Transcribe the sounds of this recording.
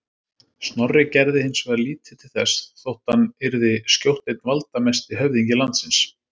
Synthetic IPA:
st̪nɔrɪcɛɾðɪhɪnsvɛːðliːt̪ʰɪ̥t̪ʰɪ̥lθɛsθowht̪hanːɪɾðɪskcjowht̪ejt̪̚nvalt̪amɛst̪ɪɦœvðiɲcɪlant̪sɪns

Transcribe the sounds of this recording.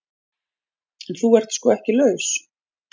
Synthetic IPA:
ɛnθuɛr̥t̪skɔːɛhcɪlœɥs

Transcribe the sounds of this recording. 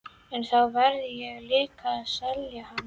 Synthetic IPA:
ɛnθawvɛɾðɪjɛɣlɪːkasɛljaham

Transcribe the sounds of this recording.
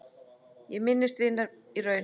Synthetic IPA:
jɛɣmɪnːɪst̪vɪnːaɾ | irœɥn

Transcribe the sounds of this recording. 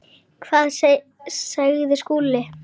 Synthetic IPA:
kʰvaːðs | saɣðɪskuːlɪ

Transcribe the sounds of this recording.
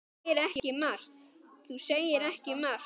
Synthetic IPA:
ɪɾɛhɪmar̥t̪θuseːjɪɾɛhcɪmar

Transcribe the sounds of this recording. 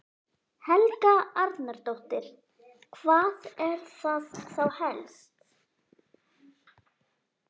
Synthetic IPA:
hɛlkaaɾt̪naɾt̪owht̪ɪɾ̥ | kʰvaːðɛɾ̥θaðθawhɛlst̪

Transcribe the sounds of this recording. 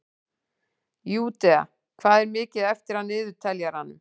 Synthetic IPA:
juːt̪ɛa̰ | kʰvaːðɛɾmɪːcɪðɛft̪ɪɾ̥hanːɪːðʏ̥t̪ʰɛljaɾ̥hanːʏm

